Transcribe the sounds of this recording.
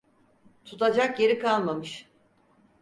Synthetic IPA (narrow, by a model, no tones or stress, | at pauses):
t̪ʰut̪ʰad͡ʒakje̞ɾikanlˠamɯʃ